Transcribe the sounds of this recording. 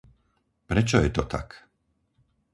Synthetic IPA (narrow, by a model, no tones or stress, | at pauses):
pɾɛt͡ʃɔjɛt̪ɔt̪ʰa̰k